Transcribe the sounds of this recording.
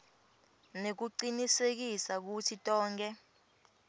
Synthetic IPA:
nek̬uǀinisek̬isak̬utʰitʼɔːŋkʼɛ

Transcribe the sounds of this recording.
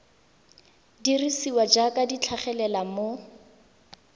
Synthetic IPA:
dirisiwad͡ʒakadit͡ɬʰaχɛlɛlamo

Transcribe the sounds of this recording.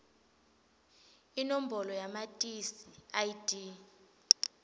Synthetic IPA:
inom̩bɔlɔjamatʼisiajidʼi

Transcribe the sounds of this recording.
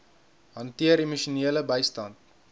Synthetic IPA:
ɦɐntiəɾemuʃuniələbəjstɐnt̚

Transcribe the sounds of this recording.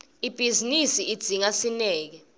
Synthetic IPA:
ib̥ʱizinisiid̥d͡z̥ʱiŋasinɛːk̬ɛ

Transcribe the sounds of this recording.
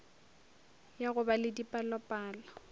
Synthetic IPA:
jaɣʊbalɪdipʼalɔpʼaːlɔ

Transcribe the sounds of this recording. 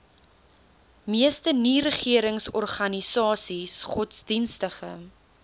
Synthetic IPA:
miəstəniɾəχiəɾəŋsɔrχɐnisɑːsisχɔtsdinstəχə̰

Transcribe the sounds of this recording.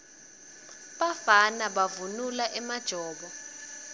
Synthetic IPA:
ɓafanaɓavunulaʔɛmad̥ʒ̥ʱɔːɓɔ

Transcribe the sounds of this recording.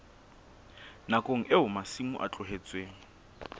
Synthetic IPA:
nakʼoŋ̩ʔeɦʊmasimṵʔa̰t͡ɬʼʊɦet͡sʼweːŋ̩

